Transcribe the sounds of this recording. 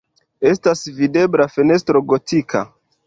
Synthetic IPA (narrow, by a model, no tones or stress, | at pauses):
e̞stasvide̞blafene̞s̬tɾo̞ɡo̞tikʰa̰